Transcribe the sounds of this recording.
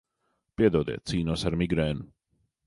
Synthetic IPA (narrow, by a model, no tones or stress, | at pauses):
piɛd̪ɔːd̪ɛ̰ːsiːnuɔsaɾmiɡɾɛːnu